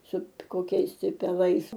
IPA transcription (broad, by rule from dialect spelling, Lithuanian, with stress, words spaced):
ˈsʊ koːˈkʲɛɪs tʲɪ pʲɛˈlˠɐɪs